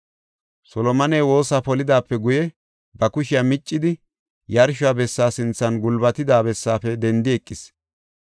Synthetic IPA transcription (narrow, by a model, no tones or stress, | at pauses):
sɔlɔmɐneːwo̞ːsaːpɔlɪd̪aːpːɛɡʊjɛ | bɐkʊʃɪjamɪt͡ʃʼːɪd̪ɪ | jɐɾʃʊabɛsːaːsɪnt͡sːɐnɡʊlbɐt̪ɪd̪aːbɛsːaːfɛd̪ɛnd̪ɪɛkʼːɪs